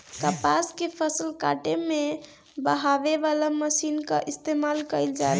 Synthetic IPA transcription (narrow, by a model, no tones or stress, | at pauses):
kəpaskepʰəsəlkaʈeme | bəɦabebalaməsinkəʔist̪emalkəɪld͡ʒae